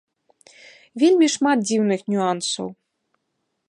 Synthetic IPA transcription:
vʲelʲmʲiʂmat̪̚d͡zʲiwnɨxnʲuansɐ̰w

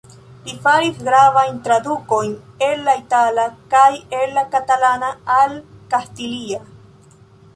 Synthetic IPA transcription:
lifaɾisɡɾavajntɾadukojn | e̞nːaitalakajelːakatalanaalkastilia

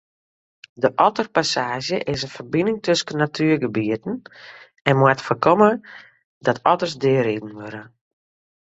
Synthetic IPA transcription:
dəʔɔtərpasaːʒjəʔɪsənfərbinɪŋtʰøsənːatʰyərɡəbiətn̩ | ɛnmwatfərkɔmə | dɔtʰɔtərsdɪəɾidn̩ʋøɾə

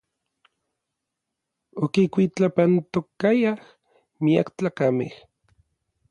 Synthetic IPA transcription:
okikʷit͡ɬapant̪okajah | mia̰kt͡ɬaːkamḛh

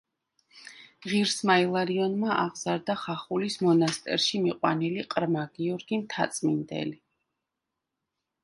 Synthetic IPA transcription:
ʁiɾsmailˠaɾiɔnmaʔaʁz̥aɾd̪aχaχulismɔnast̪ʼɛ̰ɾʃimiqʼwaniliqʼɾmaɡiɔɾɡint̪ʰat̪sʼmind̪ɛ̰li

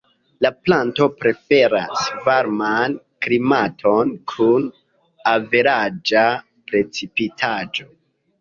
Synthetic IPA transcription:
laplanto̞pɾe̞fe̞ɾasvaɾman | klimatʰo̞nkʰun | ave̞ɾad͡ʒa | pɾe̞t͡sipitʰad͡ʒo̞

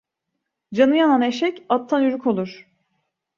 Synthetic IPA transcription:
d͡ʒanɯjananeʃɛcat̪ʰːanjyɾykʰo̞lˠuɾ̥

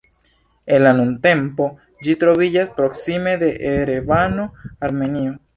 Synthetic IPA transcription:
enlanunte̞mpo̞ | d͡ʒitɾo̞vid͡ʒaspɾo̞ksime̞de̞ʔeɾevano̞aɾme̞nio

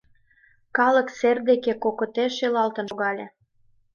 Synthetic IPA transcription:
kɑləkserd̪ekekokot̪eʃelɑlt̪ə̆noɣɑlʲĕ

